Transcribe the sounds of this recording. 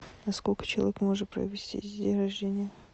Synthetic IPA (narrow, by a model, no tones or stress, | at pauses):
nɐskolʲkə̥t͡ɕɪlˠɐ̰vʲekmo̞ʐɨt̪̚pɾə̰vʲɪsʲtʲḭzʲdʲeɾɐʐdʲenʲɪjə